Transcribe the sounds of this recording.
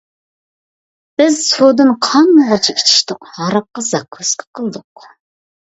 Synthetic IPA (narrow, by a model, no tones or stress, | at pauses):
b̥ɪzsod̪ɨnqʰɑnmoʁɑt͡ʃʰɑit͡ʃʰi̥ʃt̪ɪqhɑɾɑp̚qɑzɑkʰːøskʲʰɪ̥qʰəlˠd̪ʊq